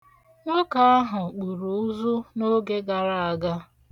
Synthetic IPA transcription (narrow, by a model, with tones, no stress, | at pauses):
ŋʊ˦ka˨a˦ɦʊ˨k͡pu˨ɾu˨˦zu˦no˦ɡe˦ɡa˨ɾa˦a˨ɡa˦